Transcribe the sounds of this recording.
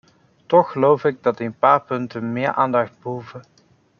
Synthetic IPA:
tɔxəlowfɪɡ̚dɑtɪənpaːɹpɵntənmɪːɹʔaːndɑχd̚bəɦuvə

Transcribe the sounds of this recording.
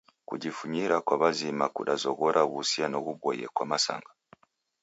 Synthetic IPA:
kṵɟifuɲiɾakwaβazimakuɗazoɣoɾʔaβusianoβuβojḛkwamasa̰ŋɡa

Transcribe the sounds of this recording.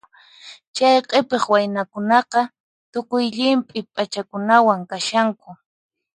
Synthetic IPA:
t͡ʃajqepeχwajnakʊnɑqɑ | t̪ʊkʊjʎɪmpʼɪpʼat͡ʃakʊnawaŋkaʃaŋkʊ

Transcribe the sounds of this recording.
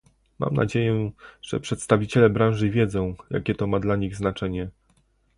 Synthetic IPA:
ma̰mna̰d͡ʑejɛʐ̥ɛ̰pʂɛt̪st̪avʲit͡ɕɛlɛbɾãw̃ʐɘvʲjɛd̪zɔ̃w̃ja̰kʲɛt̪ɔmad̪laɲiɣznat͡ʂɛɲɛ

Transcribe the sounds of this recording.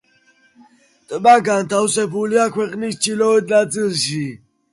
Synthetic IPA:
t̪ʼbaɡant̪ʰawsɛbuliakʰwɛqʼnist͡ʃʰilɔɛd̪nat̪zilʃi

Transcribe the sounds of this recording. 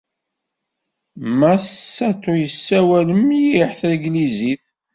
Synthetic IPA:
mæsːæt͡sːʊjəsːæwæləmjiħθɾɡliziθ

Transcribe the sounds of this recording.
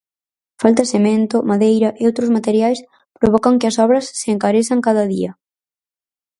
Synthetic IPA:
falt̪ɐsemẽnt̪ʊmaðejɾɐʔeowt̪ɾʊzmat̪eɾjajs | pɾoβɔkɐŋkɪɐsɔβɾɐsːɪːŋkaɾesaŋkaðɐðiɐ

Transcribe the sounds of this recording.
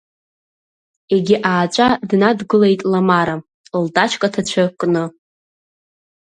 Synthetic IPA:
eɡʲiʔaːt͡ʃʷʼadnadɡɨle̞jtʼlamaɾa | ldʼat͡ʃʰʼkʼatʰat͡ɕʷʰakʼnɨ

